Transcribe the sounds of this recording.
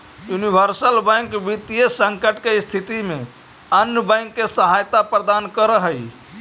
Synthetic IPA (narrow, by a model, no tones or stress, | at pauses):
junibʱəɾsəlbə̃ŋkʋit̪ijesəŋkəʈkest̪ʰit̪ime | ənjəbəɪ̃ŋkːesəɦajt̪apɾəd̪ankəɾəɦəj